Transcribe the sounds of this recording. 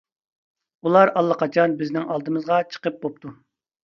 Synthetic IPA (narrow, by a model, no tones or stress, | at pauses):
ulˠɑɾɑlˠːəqɑt͡ʃʰɑnbɪznɪŋɑlˠd̪ɨmɨzʁɑt͡ʃʰə̥qəp̚bop̚t̪ʰu